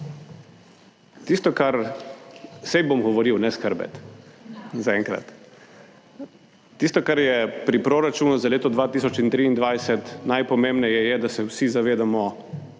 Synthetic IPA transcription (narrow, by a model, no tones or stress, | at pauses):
t̪ist̪ɔkaɾ | sɛjbomɡɔʋɔɾiwnɛskəɾbɛ̰t̪ | zaɛŋkɾa̰t̪ | ist̪ɔkaɾjɛpɾipɾoɾat͡ʃuːnuzaleːt̪ɔd̪ʋaːt̪iːs̬ɔt͡ʃint̪ɾiːnd̪ʋajsɛt̪najpɔmembnɛjɛjɛd̪asɛwsizaʋeːd̪amɔ